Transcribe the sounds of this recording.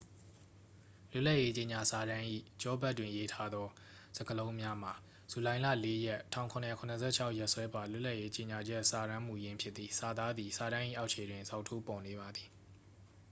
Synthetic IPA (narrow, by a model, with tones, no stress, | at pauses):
lʊ˦˨la˦ʔje˦t͡ɕe˨ɲa˨sa˨ɾã˦ʔḭ˦˨t͡ɕɔ˦ba˦tːwɪ̃˨je˦tʰa˦d̪ɔ˦ | z̥ə˨ɡə˨lõ˦ʊ̃mja˦m̥a˨ | z̥u˨lã˨ɪ̃lä̰˦˨le˦jɛ˦ʔtʰã̰˦˨ʊ̃kʰʊ̃˨njɛ˨kʰʊ̃˨nə˨sʰɛ̰˦˨t͡ɕʰa˦ʊʔjɛ˦ʔswɛ˦ba˨lʊ˦ʔla˦ʔje˦t͡ɕe˨ɲa˨d͡ʑɛ˦ʔsa˨ɾã˦m̥u˨jɪ̃˦mpʰjɪ˦t̪t̪ːi˨sa˨d̪a˦d̪ði˨sa˨ɾã˦ʔḭ˦˨ʔa˦ʊʔt͡ɕʰe˨dwɪ̃˨nza˦ʊʔtʰo˦pɔ˨ne˨βa˨d̪i˨